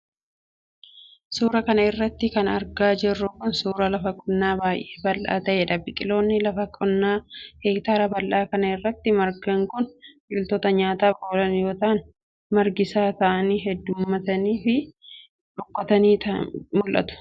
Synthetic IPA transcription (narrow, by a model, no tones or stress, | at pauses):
suːɾɐkɐnɐɪrːɐt̪ːɪkɐnɐɾɡaːd͡ʒɛrːʊkʊnsuːɾɐlɐfɐkʼːʊnːaːbaːjʔeːbɐlːa̰ːt̪ɐʔɛᶑɐbɪkʼɪlo̞ːnːɪlɐfɐkʼɔnːaːheːk̚t̪aːɾɐbɐlʔaːkɐnɐɪrːɐt̪ːɪmɐɾɡɐŋkʊnbɪlt̪oːt̪ɐɲaːt̪aːfoːlɐnjo̞ːt̪ɐɐn | mɐɾɡɪsaːt̪ɐʔɐniːɦɛd̪ːʊmːɐt̪ɐniːfɪ | ᶑʊkʼːɔt̪ɐniːt̪ɐmʊlʔɐ̰t̪ʊ̥